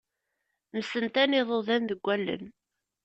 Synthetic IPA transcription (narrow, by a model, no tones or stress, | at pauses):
məsənt̪ænɪðˤoðænðəɡʷːælːə̰n